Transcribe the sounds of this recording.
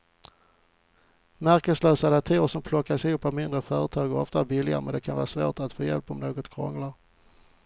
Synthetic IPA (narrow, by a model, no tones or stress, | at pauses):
mæɾkəslœːsad̪at̪ʰeːəʂɔmpʰlɔkːaʂɛɵpːavmɪnd̪ɾəfœːɾət̪ʰɑːɡəɾɔft̪abɪlɪɡa̰əmɛ̰nd̪ɛkʰanvɑ̰ːɾasvo̰ːʈat̪foːjɛ̰lpːɔmnoːɡɔt̪kʰɾɔ̰ŋlaɾ